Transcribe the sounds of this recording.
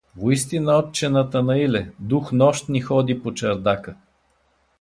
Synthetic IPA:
voist̪inəɔt̪̚t͡ʃɛnət̪ənɐilɛd̪uxnɔʃt̪nixɔd̪ipot͡ʃɐɾd̪akə

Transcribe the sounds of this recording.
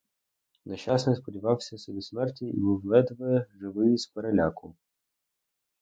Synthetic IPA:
nɐʃasnɛspɔdʲiʋɑwsʲɐsɔbʲismɛrtʲiḭbuwlˠɛd̪ʋɐɛʒɪʋɪjispeɾelʲakʊ

